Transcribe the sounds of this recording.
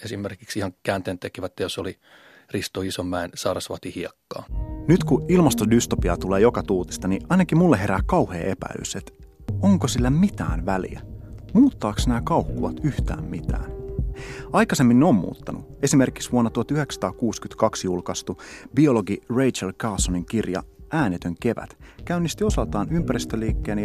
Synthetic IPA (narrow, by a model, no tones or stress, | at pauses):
esimːerkiksihɑŋkæːnt̪eːnt̪ekiʋæt̪ːejosoli | rist̪oisomːæinsɑːrɑsʋɑ̰t̪ihiekːɑ̰ːnyt̪kuilmɑst̪odyst̪opiɑt̪uleːjokɑt̪uːt̪i̥st̪ɑniʔɑjnɑkimulːeɦe̞ɾæːkɑuhḛːʔe̞pæ̰ily̰set̪ | oŋkosilːæmit̪æ̰ːnʋælḭæ̰muːt̪ːɑːksnæːkɑuhkuʋɑt̪yht̪æ̰ːmmit̪æ̰ːn | ɑjkɑse̞mːinneoːmmṵːt̪ːɑnṵe̞sime̞rki̥ksʋuonːɑt̪uhɑt̪yhe̞ksɑ̥t̪ɑːkuːskyt̪kɑksjulkɑst̪ubio̞loɡirejt͡ʃɑlkɑːsoniŋkirjɑ̰æːnet̪øŋke̞ʋæ̰t̪kæynːist̪io̞sɑlt̪ɑːnympæɾist̪øliːkːeːni